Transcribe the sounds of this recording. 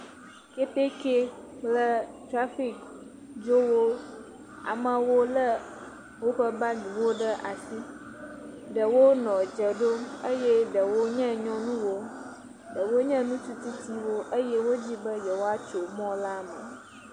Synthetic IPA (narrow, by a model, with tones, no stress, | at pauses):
ke˦t̪e˦ke˦k͡plə˦tɾa˦fi˦k̚ | d͡ʒo˦wo˦ | a̰˨mã˦wo˦lə˦ | wo˦ɸə˦ba˦ɖĩ˨wo˦ɖə˦ʔa˨si˦ | ɖə˨wo˦nɔ̃˨d͡ʒə˨ɖo˦mə˦jɛ˦ɖə˨wo˦ɲɛ̃˦ɲɔ̃˦nũ˦wo˦ | ɖə˨wo˦ɲɛ̃˦nũ˦t̪u˦t̪i˦t̪i˦wo˦ʔə˦jɛ˦wo˦d͡ʑi˦bə˦jɛ˨wo˦a˦t͡ʃo˨mɔ̃˦la˦mə̰˨